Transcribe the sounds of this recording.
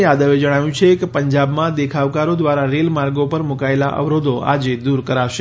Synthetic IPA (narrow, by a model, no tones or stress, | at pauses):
jad̪əʋed͡ʒəɽ̃aʋjũt͡ʃʰekepəɲd͡ʒabmãd̪ekʰaʋkaɾod̪ʋaɾaɾelmaɾɡopəɾmukaelaʔə̰ʋɾod̪ʱoa̰d͡ʒed̪uɾkəɾaʋʃe